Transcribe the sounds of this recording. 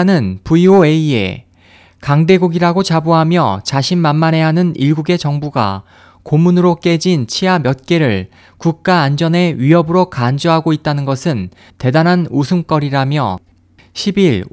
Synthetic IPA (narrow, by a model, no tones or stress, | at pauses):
nɯnpuioe̞ie̞̰ | kaŋde̞ɡuɡiɾaɡot͡ɕaboɦamjʌ̰t͡ɕaɕʰinmanmane̞ɦanɯniɭɡuɡe̞t͡ɕʌŋbuɡa̰ | komunɯɾok͈e̞d͡ʑint͡ɕʰiamjʌt̚k͈e̞ɾɯɭ | kuk̚k͈aːnd͡ʑʌne̞ɥiɦʌbɯɾokand͡ʑoɦaɡoit̚t͈anɯnɡʌsʰɯn | te̞danɦanusʰumk͈ʌɾiɾamjʌ̰ | ɕʰibiɭ